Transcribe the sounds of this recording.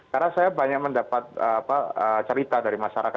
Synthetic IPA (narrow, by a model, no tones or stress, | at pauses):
kaɾnasajabaɲak̚məndapat̪̚əapaət͡ʃəɾit̪adaɾimaʃaɾaka